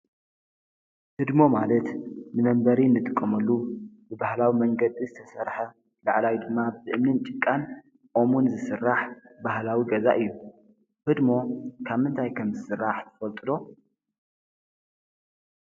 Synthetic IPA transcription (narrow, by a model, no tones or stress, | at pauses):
hɨd̪mo̞malɐt̪nɨmɐmbɐɾinːɨt̪ʼɨkʼːɐmɐlːubɨbahlawimɐŋɡɐd̪izɨt̪ʰɐsɐɾħɐ | laʕlawid̪ɨmːabɨʔɨmnɨnt͡ʃʼɨkʼːan | ʔo̞munzɨsɨrːaħbahlawiɡɐza̰ʔɨjːu | hɨd̪mo̞kʰaβmɨnt̪ʰajkʰɐmzɨsɨrːaħt̪ʰɨ̥fɐlt̪ʼɨd̪o̞